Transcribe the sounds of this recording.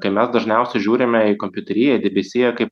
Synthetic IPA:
kɐɪmʲɛsd̪ɐʒʲnʲɛˑʊsʲɛʒʲuːɾʲɪmʲɛɪkomʲpʲʊt̪ʲɛɾʲɪːjɛd̪ʲɛbʲɛsʲiːjɛkɐɪp

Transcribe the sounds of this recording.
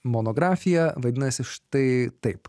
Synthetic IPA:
moːnoːɡɾɑːfʲɪjɛʋɐd̪ʲɪnɐsʲɪʃt̪ɐɪt̪ɐɪp

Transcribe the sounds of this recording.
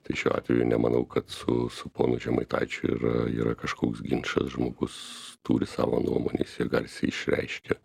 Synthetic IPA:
t̪ɐɪʃʲuːɑ̰ːt̪ʋʲɛjʊnʲɛmɐnɐʊkɐt̪sʊsʊpoːnʊʒʲɛmɐɪt̪ɐɪt͡ʃʲʊḭːɾɐḭːɾɐkɐʃkoːksɡʲɪnʃɐsʒmoːɡʊst̪uːɾʲɪsɑ̰ːʋoːnuɔmo̰nʲeːsɪɡɐlʲsʲɪɪʃʲrʲɛ̰ɪʃʲkʲɛ

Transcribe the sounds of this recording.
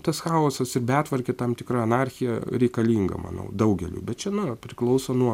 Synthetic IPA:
t̪ɐsxɑːoːsɐsɪrbʲæːt̪ʋɐrʲkʲɪt̪ɐmt̪ʲɪkrɐɐnɑɾʲxʲɪjɛɾʲɛɪkɐlʲiːŋɡɐ̰mɐ̰nɐ̰ʊd̪ɐʊɡʲɛlʲṵːbʲɛt̪̚t͡ʃʲɛnʊpʲɾʲɪklˠɒʊsoːnuɔ

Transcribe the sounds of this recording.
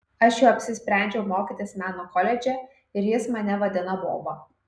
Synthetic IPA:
ɐʃjoːɐpʲsʲɪsʲpʲɾʲæˑnʲd͡ʒʲɛʊmoːkʲit̪ʲɪsmʲæːnoːkɔlʲɛd͡ʒʲɛ | ɪɾjɪsmɐnʲɛʋɐd̪ʲɪnɐbo̰ːbo

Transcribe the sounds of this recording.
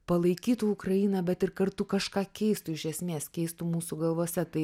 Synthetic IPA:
pɐlˠɐɪkʲiːt̪uːʊkɾɐjiːnɐbʲɛt̪ɪɾkɐɾt̪ʊkɐʃkɑːkʲɛɪst̪uɪʃʲɛsʲmʲeːskʲɛɪst̪umuːsuɡɐlˠʋoːsʲɛt̪ɐɪ

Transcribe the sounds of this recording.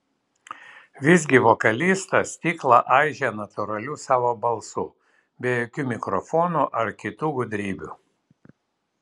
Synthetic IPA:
ʋʲɪzʲɡʲɪʋɔkɐlʲiːst̪ɐsʲt̪ʲiːklˠɑʔɑɪʒʲɛnɐt̪ʊɾɐlʲusɑːʋoːbɐlˠsʊ | bʲɛjoːkʲuːmʲɪkɾɔfɔːnuʔɐɾkʲɪt̪uːɡʊd̪ʲɾʲiːbʲṵ

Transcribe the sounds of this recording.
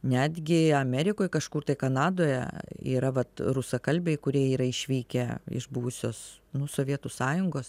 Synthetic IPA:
nʲæːd̪ʲɡʲɪɐmʲɛɾʲɪkoːjkɐʃkuːrt̪ɐɪkɐnɑːd̪oːjɛ̰ḭːɾɐʋɐt̪ɾʊsɐkɐlʲbʲɛɪkʊɾʲiɛiːɾɐɪʃʲʋʲiːkʲɛɪ̰ʃbʊʋʊsʲoːsnʊsoːʋʲiɛt̪usɑːjʊŋɡoːs

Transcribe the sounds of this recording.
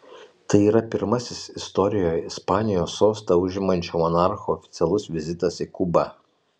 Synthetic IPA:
t̪ɐɪiːɾɐpʲɪɾmɐsʲɪsɪst̪ɔɾʲɪjoːjɪspɑːnʲɪjoːsoːst̪ɐʊʒʲɪmɐnʲt͡ʃʲomɔnɑɾxoːfʲɪt̪sʲɛlˠʊsʋʲɪzʲɪt̪ɐsikubɐ

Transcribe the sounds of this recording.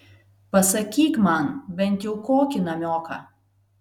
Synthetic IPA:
pɐsɐkʲiːkmɐnbʲɛnt̪jɛʊkoːkʲɪnɐmʲoːkɐ̰

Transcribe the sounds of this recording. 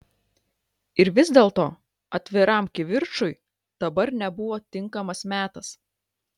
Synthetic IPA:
ɪɾʋʲɪzʲd̪ʲeːlˠt̪oː | ɐt̪ʲʋʲɪɾɐˑmkʲɪʋʲɪɾt͡ʃʊjɪ | d̪̥ɐbɐɾnʲɛbʊʋoːt̪ʲɪŋˑkɐmɐsmʲæːt̪ɐs

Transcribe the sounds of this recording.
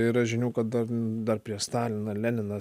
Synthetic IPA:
iːɾɐʒʲɪnʲuːkɐt̪̚d̪ɐrd̪ɐrpʲɾʲiɛʃst̪ɑːlʲɪnɐlʲænʲɪnɐ

